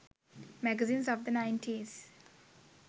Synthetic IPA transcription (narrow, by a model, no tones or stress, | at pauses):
mæɡəzĩːnzɔʋd̪ənãɪ̃nʈʰiz̥